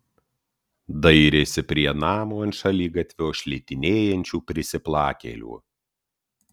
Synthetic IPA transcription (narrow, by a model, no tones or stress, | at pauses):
d̪ɐɪɾʲeːsʲɪpʲɾʲiɛnɑːmoːɐnʃɐlʲiːɡɐt̪ʲʋʲoːʃʲlʲɛt̪ʲɪnʲeːjɛnʲt͡ʃʲuːpʲɾʲɪsʲɪplˠɑːkʲḛːlʲṵː